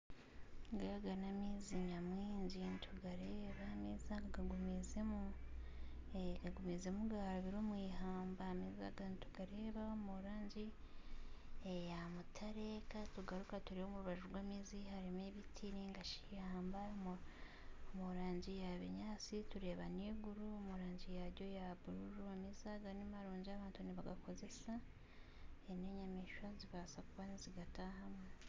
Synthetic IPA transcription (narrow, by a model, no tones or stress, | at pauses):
ŋɡaɡanamiːziɲamwiːɲɟintʰuɡaɾe̞ːβamizaŋɡaɡumizemu | ŋaɡumizemuɡaɾaβiɾoːmwiːɦaːmbamizaɡanitu̥ɡ̥aɾe̞ːβaomuɾaːɲɟi | ejamutʰaɾekatuɡaɾukatuɾiho̞muɾuβaʒuɾɡwaːmiːzihaɾimeβitʰiɾiŋɡaʃijaːmbam | omuɾaːɲɟijaβeɲaːt͡situɾe̞ːβaniɡuɾuomuɾaːɲɟijaɾɟo̞jaβuɾuɾuamizaɡanimaɾuːɲɟiaβaːntuniβaɡako̞ze̞sa | eneɲamiʃwaziβasakuwaniziɡataɦamŋe